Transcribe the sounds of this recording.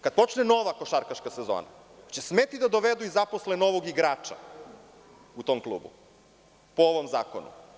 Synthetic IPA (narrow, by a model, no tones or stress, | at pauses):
kad̪̚po̞t͡ʃneno̞ʋakoʃaɾkaʃkasezo̰ːna̰ | t͡ɕesmet̪id̪ad̪o̞ʋed̪uizaposlenoʋoɡiɡɾaːt͡ʃa̰ | ut̪oːmklˠṵːbṵ | pooʋomzaːkonṵ